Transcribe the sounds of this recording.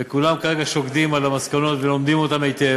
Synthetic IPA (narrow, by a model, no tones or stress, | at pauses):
ekulamkaʁe̞ɡaʃo̞ɡd̪imalamaskano̞t̪velo̞md̪imo̞tamejt̪e